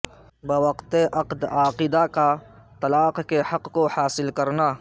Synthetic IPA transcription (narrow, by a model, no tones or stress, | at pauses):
bɐwɐqt̪eʔɐqd̪aːqid̪aka | t̪ɐlaːqkehɐqkohaːsɪlkɐɾnaː